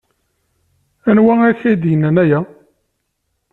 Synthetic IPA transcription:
ænwææçæjd̪jənːænæjæ

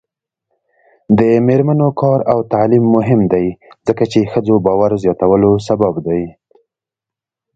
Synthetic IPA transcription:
d̪əmeɾmanokʰɑɾawt̪aʕlimːʊɦɪmd̪ajzəkat͡ʃexəd͡zobɑwaɾzjɑt̪awəlos̬ababd̪aj

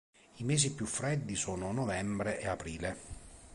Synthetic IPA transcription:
imeːzipjufɾɛd̪ːisoːnonɔvɛmbɾeʔeapɾiːle

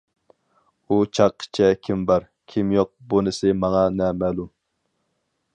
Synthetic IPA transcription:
ut͡ʃʰɑqʰːə̥t͡ʃʰɛkʲʰimbɑɾ | kʲʰimjoq̚bunɪsɪmɑŋɑnɛmɛːlˠum

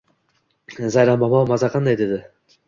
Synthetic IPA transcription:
zɑjɾɑmbɑmamɑzɑqʰɑnd̪ɑjd̪ed̪ɪ

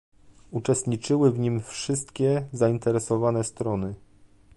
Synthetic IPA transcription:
ut͡ʂɛst̪ɲit͡ʂɘwɘvɲimfʂɘst̪kʲɛzaint̪ɛɾɛsɔvanɛst̪ɾɔnɘ

